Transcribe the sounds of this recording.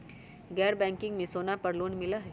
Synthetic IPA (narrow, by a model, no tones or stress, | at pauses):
ɡɛːɾbɛ̃ːŋkɪ̃ŋɡmẽsoːnapɐɾluːnmɪlaɦ